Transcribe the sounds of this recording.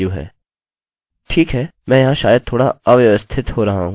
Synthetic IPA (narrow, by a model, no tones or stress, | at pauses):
uɦɛ̰ː | ʈʰiːkɦɛːmɛ̃ːjɐɦãʃaːjəd̪̚t̪ʰːoːɽaəʋjʋəst̪ʰɪt̪ɦoːɾɐɦaɦũ